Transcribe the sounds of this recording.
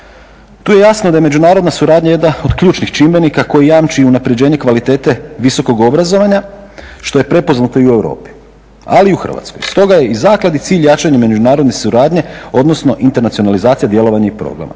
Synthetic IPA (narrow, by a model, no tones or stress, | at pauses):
t̪uːje̞jasnod̪ajeme̞d͡ʒunaːɾo̞d̪nasuɾaːd̪ɲaje̞d̪nao̞d̪kʎuːt͡ʃnixt͡ʃimbe̞nikako̞jijaːmt͡ʃiiunapɾe̞d͡ʑe̞ːɲe̞kʋalit̪e̞ːt̪e̞ʋiso̞ko̞ɡo̞bɾazo̞ʋaɲaʃt̪o̞jepɾe̞po̞znat̪o̞iue̞wɾo̰ːpi̥ | a̰liuxr̰̩ʋa̰t̪skojst̪o̞ɡaje̞izaːklad̪it̪siːʎjat͡ʃaɲeme̞d͡ʒunaːɾo̞d̪ne̞suɾaːd̪ɲe̞o̞d̪nosno̞ʔint̪e̞ɾnat̪sijo̞nalizaːt̪sijad̪je̞lˠo̞ʋaɲaipɾo̰ɡɾa̰ma̰